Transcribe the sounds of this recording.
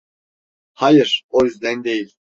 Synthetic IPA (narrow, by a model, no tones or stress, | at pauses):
hajɨɾ̥ojyzd̪ɛnd̪ejilʲ